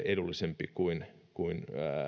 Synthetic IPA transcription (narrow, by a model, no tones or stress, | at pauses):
edulːisempikuin | kuinː